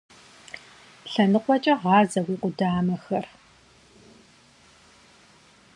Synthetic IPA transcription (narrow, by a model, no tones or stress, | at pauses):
ɬɐnɨqʷʼɔt͡ʃʼɐʁɑːzɐwiːqʷʊdaːmɐxɐr